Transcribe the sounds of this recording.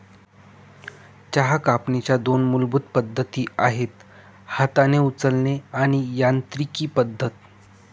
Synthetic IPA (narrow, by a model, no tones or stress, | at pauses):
t͡ɕaɦakapnet͡ɕjad̪onmulbud̪̚pəd̪ʱːət̪iːaɦet̪ | hat̪aneut͡səlneaɽ̃ijant̪ɾikiːpəd̪ʱːət̪